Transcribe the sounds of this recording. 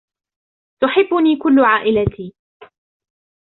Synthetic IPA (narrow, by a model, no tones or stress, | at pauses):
t̪ʊħɪbːʊniːkʊlːʊʕaːʔɪlat̪ʰiː